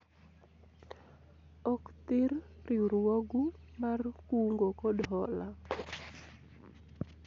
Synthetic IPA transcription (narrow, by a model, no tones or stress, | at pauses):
ɔkt̪ɪɾriuɾwoɡumarkuŋɡokɔdɦɔla